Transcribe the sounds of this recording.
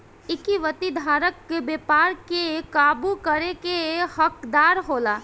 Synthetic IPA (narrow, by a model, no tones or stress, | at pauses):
ɪkiʋət̪id̪ʱaːɾəkːebeːpaːɾkekaːbukəɾekehəkd̪aːɾɦoːlaː